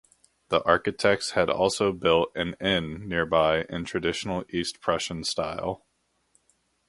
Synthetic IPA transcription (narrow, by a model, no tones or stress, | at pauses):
ðiʔɑɹkɨtʰɛk̚tshɨɾɔ̰lˠsoʊbɪlˠtɨ̃nɪ̃nːɪɹbaɪʔɨ̃ntʰɹ̥ɨdɪʃn̩l̩ˠispʰɹ̥ɛʃɨ̃n̩staɪlˠ